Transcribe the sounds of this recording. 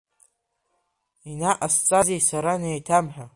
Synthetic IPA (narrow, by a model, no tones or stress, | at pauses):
inaʔast͡sʼazejsaɾanejtʰamħᶣa